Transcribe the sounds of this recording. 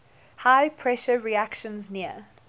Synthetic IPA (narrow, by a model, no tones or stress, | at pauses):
haɪpʰɹɛʃəɹiakʃə̃nzniə